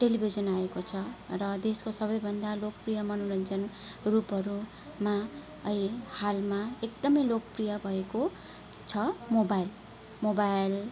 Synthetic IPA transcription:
ʈelibʱid͡zʌnaekot͡sʰʌrʌd̪eskosʌβʌjbʱʌnd̪alok̚prijʌmʌnolʌnd͡zʌnrupɦʌɾu | ma | ʌihalmaekd̪ʌmʌjlokʌprijʌbʱʌeko | t͡sʰʌmobajl | mobajl

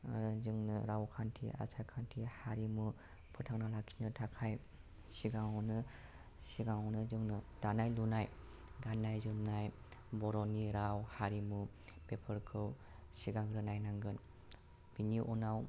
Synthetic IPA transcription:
zɯŋnɯɾawkʰantʰḭa̰sʰajkʰantʰihaɾimɯ | pʰɯtʰaŋnalakʰi̥nɯtʰakʰaj | siɡaŋɔwnɯ | siɡaŋɔnɯzɯŋnɯd̥anajlunaj | ɡanːajzɯmnajbɔɾɔniɾawhaɾimu | pepʰɯɾkʰɯw | siɡaŋɾɯnajnaŋɡɯn | b̥iniʔɔnaw

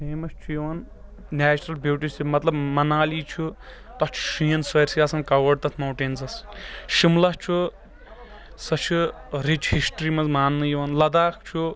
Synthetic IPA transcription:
peːmɐst͡ʃʰujɐʋɐn | naːt͡ʃɾɐlbuːʈisʰimɐt̪lɐbmɐnaːliːt͡ʃʰu | t̪ɐht͡ʃʰu̥ʃujɐnsɐɾsijaːsɐnkɐwɐɖ̚t̪ɐt̪ʰmɐwʈeːnzɐsʃimlɐht͡ʃʰu | sɐt͡ʃʰuɾit͡ʃʰhisʈɾiːmɐzmaːnːɨjiʋɐnlɐd̪aːkʰt͡ʃʰu

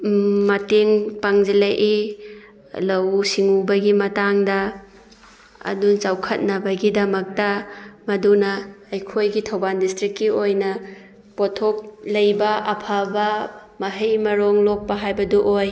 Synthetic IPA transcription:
mɐteŋpaŋd͡ʒilɐʔi | lɐwsiŋubɐɡimɐtaŋdɐ | ɐ̰dunt͡ʃawkʰɐt̚nɐbɐɡidɐmɐk̚tɐmɐdunɐːjkʰojɡitʰɐwbandistɾikːiojnɐ | potʰok̚lɐjbɐʔɐpʰabɐmɐɦɐjmɐɾoŋlok̚pɐɦajbɐduʔoj

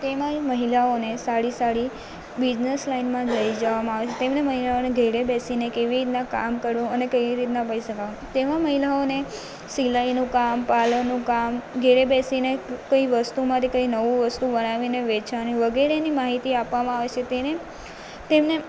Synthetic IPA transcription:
t̪emãd͡ʒməɦilaonesaɽisaɽi | bid͡ʒnəslainmãd͡ʒəid͡ʒəʋamãaʋet͡ʃʰet̪emneməɦilaoneɡʱeɾebɛsinekeʋiɾit̪nãka̰mkəɾũənekəjiɾit̪nãpəiʃəkaʋũt̪emãməɦilaone | silainũkampalənːũkamɡʱeɾebɛsinekəiʋəst̪umãt̪ʰikəinəʋũʋəst̪ubənaʋineʋet͡ʃʰanĩʋəɡɛɾenimaɦit̪iapʋamãaʋet͡ʃʰet̪ene | t̪emne

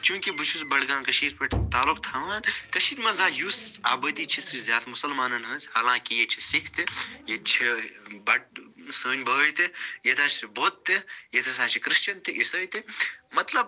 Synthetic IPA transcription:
t͡ʃũːkibut͡ʃʰusbɐɽɡãːnkɐʃiːɾpeʈʰt̪aːlukt̪ʰaːʋaːnkɐʃiːɾmɐzaːjusaːbɐd̪iːt͡ʃʰisɾizʲjaːt̪mʊsɐlmaːnɐnɦɐːzʲɦɐlãːkijet͡ʃʰisikʰt̪ijet͡ʃʰebɐʈ̚səːnʲbʱɐʋəjt̪ejet̪ʰaːt͡ʃʰsiboːt̪ːejet̪ʰɐsaːt͡ʃʰikɾɨʃt͡ʃɐnt̪iʔisəːjt̪imɐt̪lɐb̚

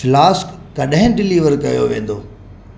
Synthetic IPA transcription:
laːskkɐɗɦɪ̃ɖɪliːʋəɾkɐjo̰ʋẽːn̆d̪oː

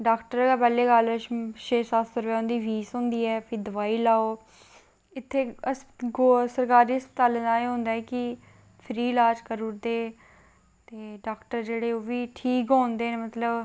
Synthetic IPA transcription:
ɖaːkʈəɾapɛːleːɡalʃeːsat̪ʰsəɾʋɛːɦʊ̃ːnd̪iːʋiːsɦʊ̃ːnd̪iːɛːpʰɪɾd̪əʋaːiːlaːoː | ɪt̪ʰːeːəsɡosəɾkaːɾiːəspət̪aːlẽːd̪aːeːɦõːnd̪aːɛkɪ | pʰɾiːlaːd͡ʒkəɾuɾd̪eː | t̪eːɖaːkʈəɾd͡ʒeːɽeːoːʋiːʈʰiːkɦõːnd̪eːneːmət̪ləb

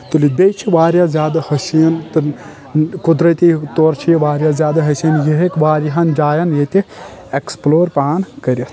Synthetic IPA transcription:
t̪ulibʲejt͡ʃʰiʋaːɾʲjazʲjaːd̪ɐhɐsijɐnt̪ɨ | kud̪ɾɐt̪ʲit̪oːɾt͡ʃʰijɐʋaːɾʲjazʲjaːd̪ɐɦɐsiɐnjeɦekʋaːɾʲiɦɐnd͡ʒaːjɐnjet̪ieksploːɾpaːnkɐɾʲit̪ʰ

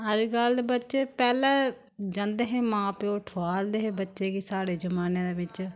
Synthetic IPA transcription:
ɦəd͡ʒɡəld̪eːbətːʃeːpɛːlɛ̃ː | d͡ʒə̃nd̪eːɦeːmãːpeoʈʰaːld̪eːɦẽːbətːʃeːkiːsaːɽeːd͡ʒəmaːneːd̪eːbɪt͡ʃ

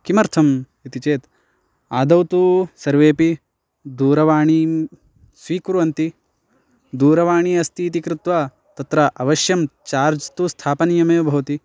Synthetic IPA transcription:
kimɐɾt̪ʰɐm | it̪it͡ʃeːt̪ | aːd̪ɐwt̪usɐɾʋeːpi | d̪uːɾɐʋaːɳi | sʋiːkɾuʋɐnt̪i | d̪uːɾɐʋaːɳiɐst̪ʰiːt̪ikɾut̪ʋa | t̪ɐt̪ɾɐʔɐʋɐʃjɐmt͡ʃaːɾd͡ʒt̪ust̪ʰaːpɐnjɐmeːbʱɐʋɐt̪i

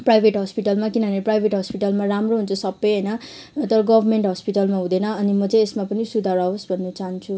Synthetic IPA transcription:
prajbʱeʈɦʌspiʈʌlmakinʌɦneprajbʱeʈɦʌspiʈʌlmaramroɦunt͡sʰʌsʌbːʌjɦʌjnʌ | t̪ʌɾʌɡʌbʱʌrmeɳʈɦʌspiʈʌlmaɦũd̪enʌːnimʌt͡sʌj̃esmapʌnisud̪ʱaɾaosbʱʌnːʌt͡saɦʌnt͡sʰu

